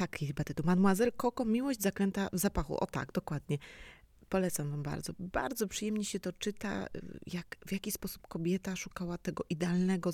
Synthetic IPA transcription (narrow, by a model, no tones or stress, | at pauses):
t̪akjɛbat̪ɘ̥t̪umanmuazɛlkɔkɔmʲiwɔʑd͡ʑzaklɛnt̪avzapaxṵʔɔ̰t̪a̰ɡd̪ɔkwad̪ɲɛpɔlɛt̪samvamba̰ɾd̪zɔba̰ɾd̪zɔpʂɨjɛmɲɛɕɛt̪ɔt͡ʂɘt̪a̰jakvjakʲispɔsu̥pkɔbʲjɛt̪aʂukawat̪ɛɡɔʔid̪ɛalnɛɡɔ